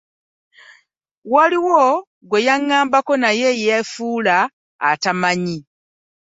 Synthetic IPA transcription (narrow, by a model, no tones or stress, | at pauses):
waliwo | ɡwe̞jaŋːaːmbako̞naje̞jejafuːla̰ː | tamaɲi